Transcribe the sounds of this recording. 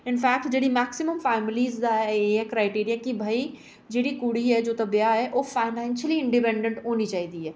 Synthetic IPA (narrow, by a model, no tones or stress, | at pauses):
ɪnfɛːk̚ʈd͡ʒeːɽimɛːksɪməmfɛːmɪliːzd̪aɦɛɛeɦɛ̃kɾaːɪʈiːɾijakibʱai | d͡ʒeːɽikuɽ̤iɦɛd͡ʒoːt̪ɐbjaɦɛʔoːfaːɪnɛ̃ːnʃəliɪ̃ɳɖɪpɛ̃ɳɖə̃ɳʈɦoːnit͡ʃaːɦid̪iɦɛː